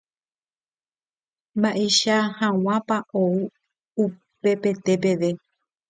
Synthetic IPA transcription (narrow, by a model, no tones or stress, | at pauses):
mbaʔeʃahãw̃ãpaʔou | upe̞pe̞t̪e̞p̬e̞ʋe̞